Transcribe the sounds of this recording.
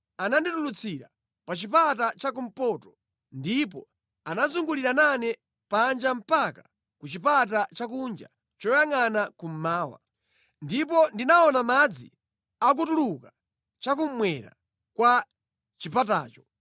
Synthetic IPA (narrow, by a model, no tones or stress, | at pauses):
ananditulut͡sʰiɾa̰ | pat͡ʃipatat͡ʃakum̩pɔtɔ̥ | ndipɔ | anazuŋɡuliɾananɛ | pand͡ʒam̩paka | kut͡ʃipat̬at͡ʃak̬und͡ʒa̰ | t͡ʃɔjaŋanakum̩maːwa̰ | ndipɔndinaɔnamad͡zḭ | ak̬utuluka | t͡ʃakum̩mwɛɾa̰ | kwa | t͡ʃipata̰ːt͡ʃɔ̥